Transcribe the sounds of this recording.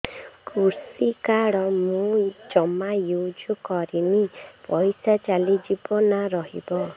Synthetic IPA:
kʰuɾsikaɽɔmũd͡ʒɔmajud͡ʒɔkɔɾinipɔjsat͡ʃalid͡ʒibɔnaɾɔɦḭbɔ

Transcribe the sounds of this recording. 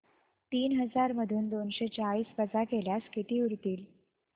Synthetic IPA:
t̪iːnɦəd͡zaɾməd̪ʱuːnd̪onɕet͡ɕaɭiːsbəd͡zakeljaskit̪iːuɾt̪iːl

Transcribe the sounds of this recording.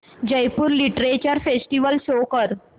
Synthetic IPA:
d͡ʑəjpuːɾliʈɾet͡ɕəɾfesʈiʋəlɕokəɾ

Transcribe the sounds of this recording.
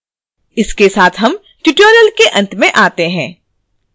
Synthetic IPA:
ɪskesaːt̪ʰɦɐm | ʈɪʈəːɾəlkeʔɐ̃nt̪mẽʔaːt̪eɦɛ̃ː

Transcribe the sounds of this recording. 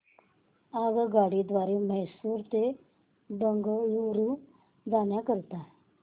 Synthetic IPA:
aɡɡaɽid̪ʋaɾeməɦsuːɾt̪e | bəŋɡjuɾũ | d͡zaɳjakəɾt̪a

